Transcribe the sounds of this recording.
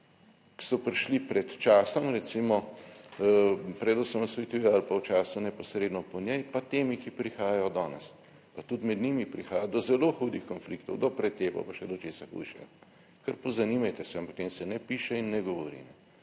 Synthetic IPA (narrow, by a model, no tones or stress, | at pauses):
ki̥sɔpɾiʃlipɾɛt̪t͡ʃaːsɔmɾɛt̪simɔ | pɾɛd̪ɔsəmɔsʋɛt̪ujɛalpawt͡ʃaːsunɛpɔsɾeːd̪nɔpɔnjɛjpat̪eːmikipɾixaːjajɔd̪ɔːnɛ̰s | pat̪ut̪mɛd̪nimipɾixaːjad̪ɔzɛloːxuːd̪ixkɔnflikt̪ɔ̰wd̪ɔpɾɛt̪ːeːpɔ̰paʃɛd̪ɔt͡ʃeːsaxṵjʃɛ̰jɔ | kɐɾpɔzɐniːmajt̪ɛsɛampɐk̚t̪emsɛnɛpiːʃɛinːɛɡɔʋɔɾḭnɛ